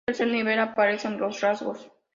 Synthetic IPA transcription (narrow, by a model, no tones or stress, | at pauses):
elselniβelapaɾesenlosrazɣos